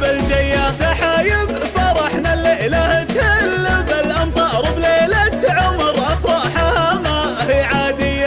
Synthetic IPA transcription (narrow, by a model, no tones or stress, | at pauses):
bald͡ʒajːaxaħajɪb | faɾˤɑħnaleʔlahkɪlbalʔant̪ˤɑʔɾˤbleːlat̪ʕʊmɾʔafɾˤɑʔħahama | hiʕaːd̪ɪjːa